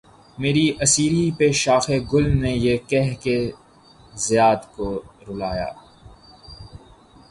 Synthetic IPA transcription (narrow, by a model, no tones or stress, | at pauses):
meːɾiʔɐsiːɾipeʃaːxeɡʊlnejekɛɦke | zɪjaːd̪koɾʊlaːja̰ː